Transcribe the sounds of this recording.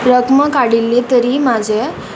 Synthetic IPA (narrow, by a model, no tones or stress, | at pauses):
ɾəkməkaɽilːet̪əɾimad͡ʑʱe